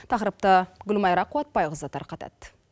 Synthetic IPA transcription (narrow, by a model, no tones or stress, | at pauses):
t̪ʰɑqɾəp̚t̪əɡʊlmɑjɾɑqʰːuwɑt̪̚bɑjʁəzɑt̪ɑ̰ɾqʰɑt̪ɑ̰t̪